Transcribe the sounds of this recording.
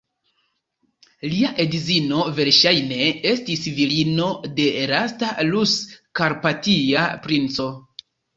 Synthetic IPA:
liaʔe̞dizino̞ve̞ɾʃajne̞e̞stisvilino̞de̞ɾastaluskaɾpatiapɾint͡so̞

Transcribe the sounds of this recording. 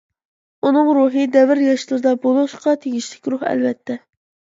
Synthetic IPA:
unɨŋɾuɦɨd̪ɛvɪɾjɑʃlˠɨɾd̪ɑbolˠuʃqɑt̪ʰeɡʲiʃlɪkʲɾuhɛ̰lvɛt̪ʰːɛ

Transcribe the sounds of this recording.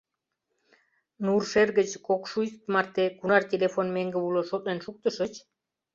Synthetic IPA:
nuɾʃeɾɡət͡ɕʰkokʃujst̪maɾt̪ekunaɾt̪ʲelefonmeŋɡəbuloʃot̪ʼnenʲʃuk̚t̪əʃət͡ʃʰ

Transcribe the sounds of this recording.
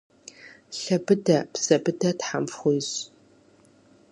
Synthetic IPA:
ɬɐbɨdɐpsɐbɨdɐtħamfχʷʊjɕ

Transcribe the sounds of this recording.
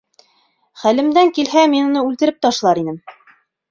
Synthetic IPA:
χælɘ̆md̪æŋkilɦæminŏnɤʉlt̪ɘ̆ɾɘp̚t̪ɑʃlˠɑɾinɘm

